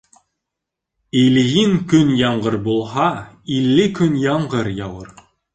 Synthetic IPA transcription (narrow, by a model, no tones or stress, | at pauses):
ilɣiŋkɵnjɑɴɢɤɾbulˠɦɑ | ilːɘkɵnjɑɴɢɤɾjɑwɤɾ